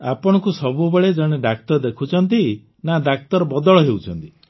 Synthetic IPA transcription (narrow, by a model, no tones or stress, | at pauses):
apɔɽ̃ɔkusɔbubeɭed͡ʒɔɽ̃eɖakt̪ɔɾd̪ekʰut͡ʃʰɔnt̪i | nad̪ak̚t̪ɔɾɔbɔd̪ɔɭɔɦewt͡ʃʰɔnt̪i